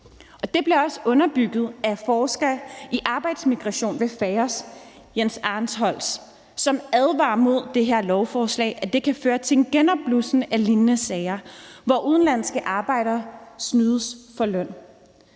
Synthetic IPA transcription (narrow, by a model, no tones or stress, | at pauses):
ʔɒ̽d̥e̝b̥le̝ɒ̽səɔ̽nɐb̥yɡ̥ð̞̩ˠæfɒːsɡ̥ɐiʔɑ̈ːb̥ɑ̈ɪd̥smiɡ̥ʁɑ̈ɕo̝̰ːnʋe̝fɛɪɐs | jensɑ̈ːnshɒ̽l̰sː | ɒ̽mæðˠʋɑ̰̈ːmo̝ð̞̰ˠd̥e̝ɦeɐ̰lɒʊfɒːslɛ̰ɪʔæd̥e̝kʰæføːɐt͡sʰe̝nɡ̥enɒ̽b̥lusn̩ælinnəsɛɪɐʋɒʔuð̞ˠn̩læn̰sɡ̥əʔɑ̈ːb̥ɑ̈ɪ̰ɾ̥ɐsnyːð̞ˠəsfɒ̽lœn̰